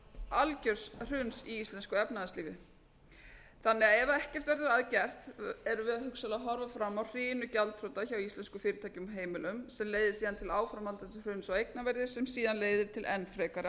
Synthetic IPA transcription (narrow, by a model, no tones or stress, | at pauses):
alcœɾ̥sr̥ʏnsiist̪lɛnskʏɛpnaðasliːvɪ̰ | θanːɛaɛvaɛhcɛr̥t̪vɛɾðʏɾaðcɛr̥t̪ɛɾʏvɪðaðhʏksalaɦɔɾvafɾamːawr̥iːnʏcalt̪ʰɾowt̪açawist̪lɛnskʏfɪːɾɪt̪ʰaːjcʏmɦeːjmɪlʏmsɛmleːjðɪsiːðant̪ʰɪlaːwfɾamhalt̪ansɪr̥ʏnsɔejknavɛɾðɪsɛmsiːðanleːjðɪɾ̥t̪ʰɪlʔɛnfɾɛːkaɾɪ